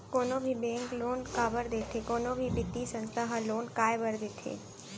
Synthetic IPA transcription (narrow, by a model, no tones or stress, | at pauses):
koːnõbʱibɛ̃ːŋkloːnkaːbəɾd̪eːt̪ʰekoːnõbʱibɪt̪isə̃nsəɦaloːnkaːebəɾd̪eːt̪ʰḛː